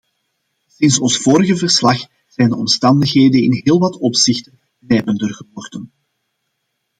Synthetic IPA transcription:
sɪnsɔnsfoːɾəɣəvərslɑx | z̥ɛːjndəɔmstɑndəxɦeːdənɪnɦeːlˠʋɑtɔpsɪxtən | nɛːpəndərɣəɦɔrdən

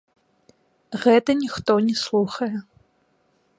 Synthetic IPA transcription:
ɣɛt̪ɐnʲixt̪ɔnʲɛslˠuxɐjɛ

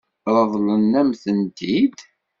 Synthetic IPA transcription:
ɾˤəðˤlənːæmθənt̪id̪

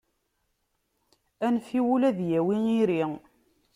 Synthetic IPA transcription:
ænfiwulæðjæwiiɾi

